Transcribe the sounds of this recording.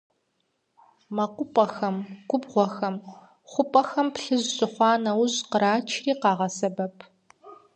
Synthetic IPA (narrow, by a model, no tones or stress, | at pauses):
mɐqʷʊpʼɐxɐmɡʷʊbʁʷɔxɐm | χʷʊpʼɐxɐmpɬɨʑɕɨχʷɑːnɐwʊʑqəɾaːt͡ʃʰriːqɑːʁɐsɐbɐpʰ